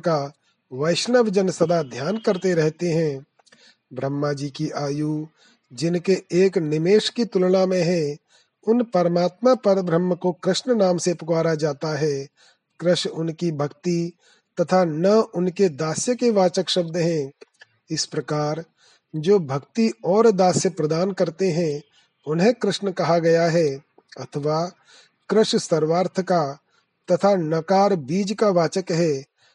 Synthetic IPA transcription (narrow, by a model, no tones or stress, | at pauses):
ka | ʋɐɪʃnəʋd͡ʒənsɐd̪ad̪ʱjaːnkɐɾt̪eɾɛɦt̪eɦɛ̃ː | bɾəmːad͡ʒiːkiʔaːjuː | d͡ʒɪnkeeːknɪmeːʃkit̪ʊlɽ̃amẽɦɛ̃ | ʊnpɐɾəmaːt̪mapɐɾbɾəmːəkokɾɪʃnənaːmsepʊkaːɾad͡ʒaːt̪aɦɛː | kɾɪʃʊnkibʱɐkt̪i | t̪ɐt̪ʰanɐʊnked̪aːsjəkeʋaːt͡ʃəkʃɐb̚d̪ɦɛ̃ː | ɪspɾɐkaːɾ | d͡ʒoːbʱɐkt̪iɔːɾd̪aːsjəpɾɐd̪aːnkɐɾt̪eɦɛ̃ | ʊnɦẽkɾɪʃnəkɐɦaɡɐjaɦɛː | ɐt̪ʰəʋaː | kɾɪʃsɐɾʋaːɾt̪ʰəka | t̪ɐt̪ʰanɐkaːɾbiːd͡ʒkaʋaːt͡ʃəkɦɛː